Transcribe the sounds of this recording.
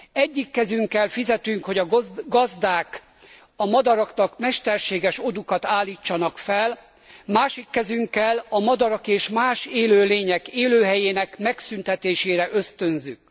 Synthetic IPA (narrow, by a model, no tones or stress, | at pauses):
ɛɟːikːɛzyŋkːɛlfizɛt̪yŋkho̞ɟɒɡɡɒzd̪aːk | ɒmɒd̪ɒɾɒknɒkmɛʃt̪ɛrʃeːɡɛʃod̪ukɒt̪aːlːiːt͡ʃːɒnɒkfɛl | maːʃikːɛzyŋkːɛlɒmɒd̪ɒɾɒkeːʃmaːʃeːløːleːɲɛkeːløːɦɛjeːnɛkmɛksynt̪ɛt̪eːʃeːɾɛʔøst̪ønzyk